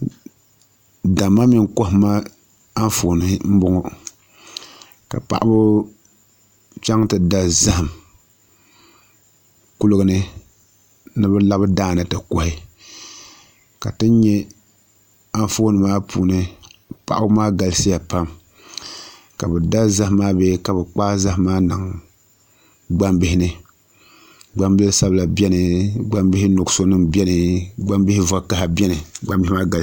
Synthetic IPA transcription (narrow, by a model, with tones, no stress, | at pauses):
da˨ma˦mi˨˦ŋko˦hma˦ | a˦n˦fo˨nɨ˨˦m̩˦bʊ˦ŋɔ˨ | ka̰˨pa̰˨ʔa˦bʊ˦ | t͡ʃa˦ŋtɨ˨da˦za˦hɨ˨m | ku˦lʊ˦ɡɨ˨nɨ˦ | nɨ˦bɛ˦la˦bɨ˦daː˦˨nɨ˨tɨ˨ko˨hɪ˦ | ka˨tɨ˦ɲɛ˦ | a˦ɱfoː˦nɨ˨maː˦pʰu˨nɨ˦pa̰˨ʔʊ˦maː˦ɡa˨lsi˦ja˨pa˦m | ka˨bɨ˨da˦za˦hmaː˦beː˦ka˨bɨ˨k͡paː˦za˦hmaː˦na˨ŋ | ɡ͡ba˦mbɪ˦hɪ˦nɨ˦ | ɡ͡ba˦mbɪ˦lsa˦bla˨bɛ˦nɨ˨ɡ͡ba˦mbɪ˦hi˦no˨ɡso˦nɨ˦mbɛ˦nɨ˨ɡ͡ba˦mbɪ˦hɪ˦va˦ka˦ha˨bɛ˦nɨ˨ɡ͡ba˦mbɪ˦i˦maː˦ɡa˨l